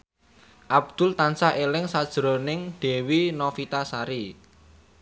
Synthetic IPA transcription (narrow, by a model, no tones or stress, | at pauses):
ʔab̚d̪̥ʊ̤lt̪ansaʔelɪŋsad̥ʒ̥ɾonɪŋd̪̥e̤winɔfit̪asaɾi